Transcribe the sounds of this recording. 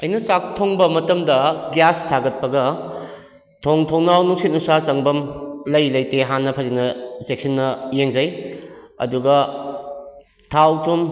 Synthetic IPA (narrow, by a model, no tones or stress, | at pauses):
ɐjnɐsaktʰoŋbɐmɐtɐmdɐɡjastʰaɡɐt̚pɐɡɐ | tʰoŋtʰoŋnawnuŋsit̚nusat͡ʃɐŋbɐmlɐjlɐjteɦanːɐpʰɐzinɐsek̚sɐnːɐjeŋzɐjɐ̰duɡɐ | tʰawtʰum